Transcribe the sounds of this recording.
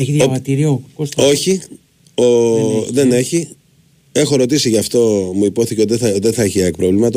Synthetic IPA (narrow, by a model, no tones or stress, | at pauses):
eçiðjvɐt̪iɾiokoso̞çi | oðe̞ne̞çi | e̞xo̞ɾo̞t̪isiʝɐft̪o̞muipo̞θiceot̪eðeθɐeçiekpɾovlimɐt̪ɐ